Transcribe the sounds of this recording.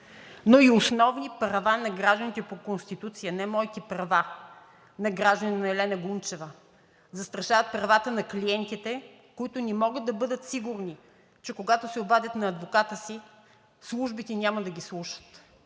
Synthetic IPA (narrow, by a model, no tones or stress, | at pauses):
noiosnɔvnipɾɐvanɐɡɾaʒd̪ənit̪ɛpokonst̪it̪ut̪sijənɛmɔit̪ipɾɐva | nɐɡɾaʒd̪əninɛlɛnɐɡunt͡ʃɛvə | zɐst̪ɾɐʃavɐt̪̚pɾɐvat̪ənɐkliɛnt̪it̪ɛ | koit̪ʊnɛmɔɡəd̪̚d̪ɐbɤd̪ət̪siɡʊɾni | t͡ʃɛkoɡat̪osɛobad̪ʲət̪nɐːd̪vokat̪əsi | slˠuʒbit̪ɛnʲamɐd̪ɐɡʲislˠuʃə̥t̪